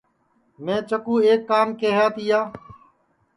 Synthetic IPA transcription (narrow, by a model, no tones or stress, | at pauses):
mẽːt͡ʃəkuːeːkːaːmkeːɦaːt̪ɪjaː